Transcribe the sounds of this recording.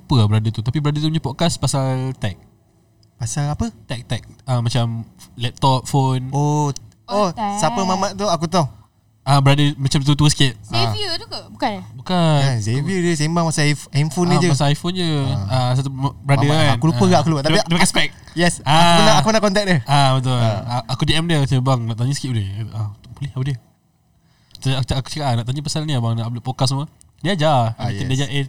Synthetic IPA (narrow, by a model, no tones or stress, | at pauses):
pəabəɾadət̪ut̪apibəɾadət̪̬umuɲapɔkaspasalt̪ɛk̚ | pasalapət̪ɛk̚t̪ɛk̚əmːat͡ʃamlɛp̚t̪ɔp̚fonoosapəmamaʔt̪uakut̪o | abəɾadəmat͡ʃamt̪ut̪̬uəsə̥kit̪̚iət̪ukabukanbukaasevəd͡ʒəsaimbaŋpasalamfonĩd͡ʒupasalajfond͡ʒəas̬at̪ubəɾadəankuluppəɡaʔakuluat̪aeidmakaspɛk̚ | jɛsaakunaakunaʔkɔnt̪ɛk̚dəabət̪̬ʊaakudiɛmdət̪əbaŋnaʔt̪aɲusə̥kit̪̚udet̪aut̪ʊk̚bulɛhadə | təat͡ʃaku̥t͡ʃəkaʔanaʔt̪aɲupəsanniabaŋnaʔbləʔpokasumə | diad͡ʒaiədid͡ʒae